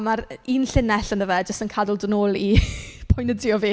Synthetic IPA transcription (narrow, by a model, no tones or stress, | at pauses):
maɾinɬɪnɛɬənəvɛd͡ʒəstənkʰadʊlˠdənoːlˠipʰʊjnədɪɔviː